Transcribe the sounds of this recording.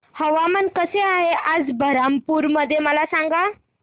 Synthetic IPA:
həʋamənkəseaɦeʔad͡zbʱəɾampuːɾməd̪ʱːjeməlasãŋɡa

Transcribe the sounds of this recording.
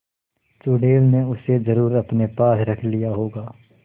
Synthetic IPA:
t͡ʃuːɖeːlneʊsezɐɾuːɾɐpnepaːsɾɐkʰlijaɦoːɡaː

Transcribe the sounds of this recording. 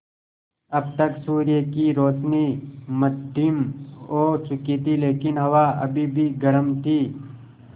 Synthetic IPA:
ɐb̚t̪ɐksuːɾjəkiɾoːt͡ʃniməd̪ʱɪmoːt͡ʃʊkit̪ileːkɪnɦɐʋaɐ̰bʱibʱiɡɐɾəmt̪ʰiː

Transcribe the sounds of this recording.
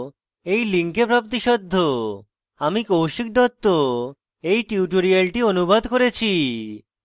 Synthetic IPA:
ejliŋkepɾapt̪̬iʃɔd̪ʱːo | amikowʃik̚d̪ʱɔt̪ːo | ejʈiuʈoɾialʈionubad̪koɾet͡ɕʰi

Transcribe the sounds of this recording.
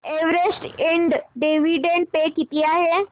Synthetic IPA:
eʋɾesʈiɳɖɖeʋiɖeɳɖ̚pekit̪iaɦe

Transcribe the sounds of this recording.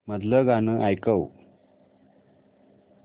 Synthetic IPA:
məd̪ləɡanəʔajkəw

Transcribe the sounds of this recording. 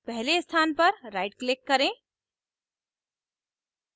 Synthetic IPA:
pɛɦlest̪ʰanpəɾɾaɪʈklekːəɾẽ

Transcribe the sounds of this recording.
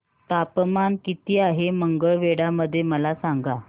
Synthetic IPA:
t̪apmankit̪iːaɦeməŋɡəɭʋeɽaməd̪ʱːjeməlasaŋɡa

